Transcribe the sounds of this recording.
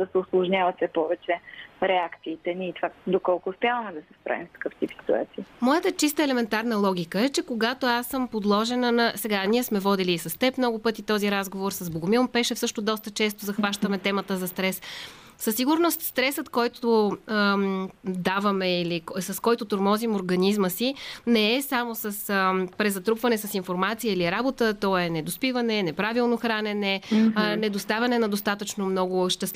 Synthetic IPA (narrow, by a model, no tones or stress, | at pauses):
d̪ɐsɛʊslˠʊʒnʲavɐt̪sɛpɔvɛt͡ʃɛɾɛakt̪siːt̪ɛniːt̪vad̪okɔlˠkʊːspʲjavəmɛd̪ɐsɛ̥spɾa̰vimsk̪ɐ̥kɤft̪ipsi̥t̪ua̰t̪siːmɔjət̪ət͡ʃist̪əɛlɛmɛnt̪aɾnəlˠɔɡʲikəɛt͡ʃɛkoɡat̪oasːəmpod̪lˠɔʒɛnənɐsɛɡaniɛsmɛvɔd̪iliːsɐst̪ɛpmnɔɡʊpɤt̪it̪ɔziɾazɡovoɾsəzboɡʊmilˠmpɛʃɛfsɤʃt̪od̪ɔst̪ət͡ʃɛst̪ʊzɐxvaʃt̪əmɛt̪ɛmət̪əzɐst̪ɾɛs | sɐsːiɡʊɾnost̪st̪ɾɛsət̪kɔjt̪o | d̪avɐmɛiliksɐskɔjt̪ʊt̪oɾmɔzimoɾɡɐnizməsinɛːsamosəspɾɛzɐt̪ɾupvɐnɛsɐsinfoɾmat̪sijəiliɾabot̪ət̪ɔɛnɛd̪ospivɐnɛnɛpɾavilˠnoxɾanɛnɛnɛd̪ost̪avʲɐnɛnɐd̪ost̪at̪ət͡ʃnomnɔɡʊʃt̪ɛst̪